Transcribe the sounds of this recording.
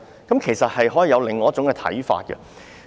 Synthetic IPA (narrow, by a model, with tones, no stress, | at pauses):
kɐ˨˦mkʰe˨˩jsɐ˨t̚hɐ˨jɦɔː˨˥jiː˨˧jɐ˨˧wlɪ˨ŋːɔː˨˥t͡sʊ˨˥ŋkɛ˧t̪ʰɐ̰˨˥jfa̰ː˧t̚kə̰˧